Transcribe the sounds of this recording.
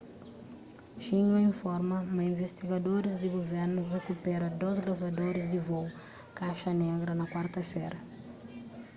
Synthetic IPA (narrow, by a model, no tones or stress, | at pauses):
ʃĩɲɐĩfɔɾmɐmɐĩvest̪iɡɐd̪oɾɪzd̪ɪɡoveɾnurekupɛɾɐd̪ozɡɾavɐd̪oɾɪzd̪ɪvow | kaʃɐneɡɾɐnɐkwaɾt̪ɐfeɾɐ